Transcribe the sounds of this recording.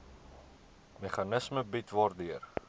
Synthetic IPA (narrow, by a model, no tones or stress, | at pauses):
meχɐnəsməbitvɑːrdyər